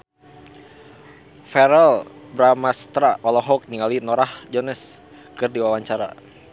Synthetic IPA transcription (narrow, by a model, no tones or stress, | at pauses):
fɛɾɛlbɾamast̪ɾaʔɔlɔɦɔk̚niŋalinɔɾahd͡ʒɔnɛs | kɨrdiwawaɲt͡ʃaɾa̰